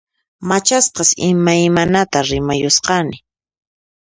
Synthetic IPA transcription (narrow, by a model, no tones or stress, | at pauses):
mat͡ʃasqɑsɪmajmanat̪aɾɪmajʊsqɑnɪ